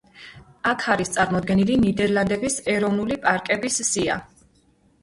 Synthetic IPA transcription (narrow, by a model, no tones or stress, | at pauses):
akʰaɾist̪sʼaɾmɔd̪̚ɡɛnilinid̪ɛɾlˠand̪ɛbisɛɾɔvnulipʼaɾkʼɛbisːia̰